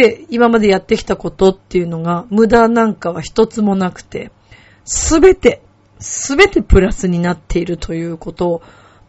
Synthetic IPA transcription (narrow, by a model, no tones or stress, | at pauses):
eimamad̪e̞jat̪ːe̞kʲi̥t̪ako̞t̪o̞t̪ːe̞jɯ̟no̞ɡamɯ̟d̪anãŋkaβ̞açi̥t̪o̞t͡sɨmo̞nakɯ̟̥t̪e̞̰ | sɨbe̞t̪e̞ | sɨbe̞t̪e̞pɯ̟ɾasɨɲ̟inat̪ʰːe̞iɾɯ̟t̪ʰo̞jɯ̟ːko̞t̪o̞